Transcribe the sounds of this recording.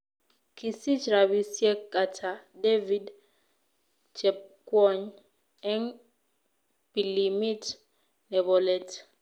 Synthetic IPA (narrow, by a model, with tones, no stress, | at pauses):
kʰi˨si˦t͡ʃɾa˨βi˨sjɛ˦ka˨tʰa˨de˦vi˦d | t͡ʃɛ˨p̚kwɔ˦ɲ | ɛ˦n | b̥i˨li˨mi˦t | nɛ˨bɔ˨lɛtʰ